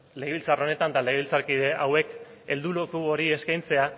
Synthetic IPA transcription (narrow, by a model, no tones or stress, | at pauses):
le̞ɣilt͡saro̞ne̞t̪and̪ale̞ɣeilt͡saɾkiðe̞ʔawe̞ke̞ld̪ulokuo̞ɾie̞skajnt͡se̞a